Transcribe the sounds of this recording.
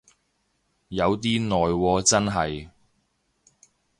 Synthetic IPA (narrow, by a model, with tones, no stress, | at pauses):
jɐ˨˧wt̪̬iː˥nɔː˨jwɔː˨˧t͡sɐ˥nɦɐ˨j